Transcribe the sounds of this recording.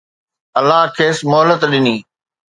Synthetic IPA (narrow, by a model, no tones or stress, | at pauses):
ɐlːaɦkʰeːsmʊɦələt̪ɗɪniː